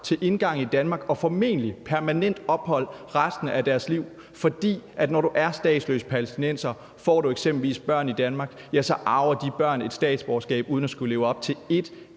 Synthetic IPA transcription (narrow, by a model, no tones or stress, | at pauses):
t͡sʰe̝lʔe̝nɡ̥ɑ̈ŋ̰̩id̥ænmɑ̈ɡ̥ɒ̽fɒ̽me̝̰ːnəlipʰæɐmænen̰d̥ɒ̽b̥hɒ̽l̰ʁasd̥n̩æd̥æɐsliʊ̰ | fɒ̽d̥ḭːʔæd̥nɒɾ̥uʔæɐsd̥ɛ̰ːd̥slø̰ːspʰælesd̥inensɐ | fɒ̰ːɾ̥ueɡ̥semb̥l̩ʋḭːsb̥ɶɐ̰nid̥ænmɑ̈ːɡ̥jæsɒ̽ʔɑ̈ʊɐd̥ib̥ɶɐ̰ne̝d̥sd̥ɛ̰ːd̥sb̥ɒsɡ̥ɛ̰ːb̥uːð̞ˠn̩æsɡ̥ule̝ːʊɒ̽b̥̚t͡sʰe̝le̝d̥